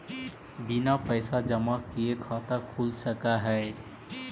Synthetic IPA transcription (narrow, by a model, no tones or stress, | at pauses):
binapəɪsad͡ʒəmakiekʰaːt̪akʰulsəkaɦɛː